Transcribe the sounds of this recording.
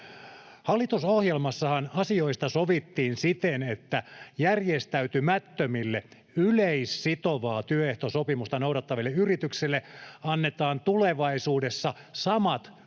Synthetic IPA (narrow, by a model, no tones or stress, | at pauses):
hɑlːit̪usohjelmɑsːɑhɑnɑsioist̪ɑsoʋit̪ːiːnsit̪enet̪ːæjærjest̪æyt̪ymæt̪ːømilːe | yleisːit̪oʋɑːt̪yøeht̪osopimust̪ɑnouɾɑt̪ːɑʋilːeyrit̪ykselːeɑnːet̪ɑːnt̪uleʋɑisuːdesːɑsɑmɑt̪